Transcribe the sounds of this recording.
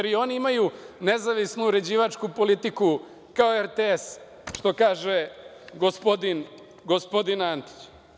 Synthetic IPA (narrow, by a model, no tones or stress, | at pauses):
eɾio̞niimajune̞zaʋisnuuɾe̞d͡ʑiːʋat͡ʂkupo̞lit̪iku | kaoeɾt̪ees | ʃt̪o̞kaːʒe | ɡospo̞d̪in | ɡospo̞d̪inant̪i̥t͡ɕ